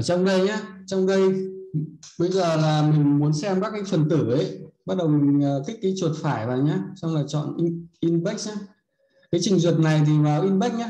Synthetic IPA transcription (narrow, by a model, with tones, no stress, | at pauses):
t͡ɕɔ˧wŋ͡mɗə˧jɲaː˧t͡ɕɔ˧wŋ͡mɗə˧j | ɓə˧jzəː˨˩laː˨˩mï˨˩ŋ̟mu˨˦ənsɛ˧mkaː˦˥kːaː˨˦jfə˨˩nt̪ɨ˧˩ə˨˦jɓa˦˥t̚ɗə˨˩wmï˨˩ŋ̟ː˨˩t̪ʰi˦˥k̟̚kaː˨˦jt͡ɕwu˨˩t̚faː˧˩jvaː˨˩wɲaː˧sa˧wŋ͡mlaː˨˩t͡ɕɔ̰˧˨nʔi˧ʔi˧nɓa˦˥k̚ɲaː˨˦ | kaː˨˦jt͡ɕï˨˩ŋ̟zwə˨˩t̚na˨˩jt̪ʰi˨˩vaː˨˩wʔi˧nɓa˦˥k̚ɲaː˧˦